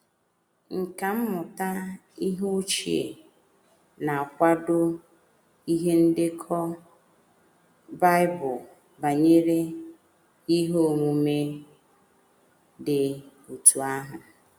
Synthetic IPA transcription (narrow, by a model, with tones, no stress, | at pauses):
ŋ̩˨ka˨m̩˦mʊ˨ta˦ | i˦ɦu˦t͡ʃi˨ḛ˨ | na˨a˨kʷa˦dʊ˦ | i˦ɦe˦n̩˦dɪ˦kʰɔ˦ | ba˦ɪ˦bʊ˨ | ba˨ɲe˦ɾe˦ | i˦ɦo˦˨mu˨me˦ | dɪ˨ | u˨tu˨a˦ɦʊ˨